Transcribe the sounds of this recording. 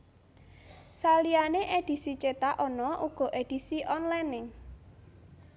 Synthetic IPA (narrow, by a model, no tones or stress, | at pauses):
salianeʔed̥i̤sit͡ʃet̪aʔɔnɔʔuɡ̥ɔ̤ʔed̥i̤siʔɔnlanɪŋ